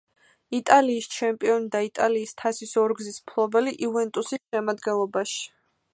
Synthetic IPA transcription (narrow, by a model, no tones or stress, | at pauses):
it̪ʼaliːst͡ʃʰɛmpʼiɔnid̪ait̪ʼaliːst̪ʰasisɔɾɡzismpʰlˠɔbɛliʔivɛnt̪ʼusisʃɛmad̪ɡɛnlˠɔbaʃi̥